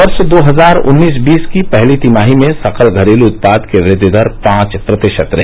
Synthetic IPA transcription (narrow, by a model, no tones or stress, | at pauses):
ɐɾʃd̪oːɦɐzaːɾʊ̰nːiːsbiːskipɛɦlit̪imaːɦimẽsɐqʰəlɡʱɐɾeːluʊt̪̚paːd̪keʋɾɪd̪jʊd̪ʱəɾpãːt͡ʃpɾɐt̪ɪʃət̪ɾɐɦ